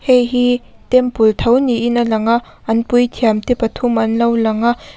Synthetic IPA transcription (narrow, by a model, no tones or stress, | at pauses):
hejɦi | t̪ɛmpult̪ʰɐwniʔinalɐŋaʔ | ʔɐnpujt̪ʰiamt̪epɐt̪ʰumʔɐnlɐwlɐŋaʔ